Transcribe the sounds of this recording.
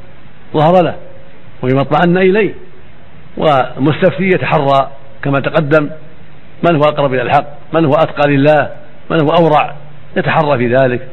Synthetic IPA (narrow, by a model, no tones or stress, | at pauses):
ðˤɑhɑɾˤɑla | waɪmɑt̪ˤmaʕanːaʔɪlajh | wʔɪmʊst̪afθijat̪aħɑrˤːɑ | kamat̪aqɑd̪ːam | mɪnhʊwʔɑqɾˤɑbʔɪlalħɑqːmɪnhʊwʔat̪qɑːlɪlːaːh | mɪnhʊwʔawɾˤɑʕ | jat̪aħɑrˤːɑfiːðaːlɪk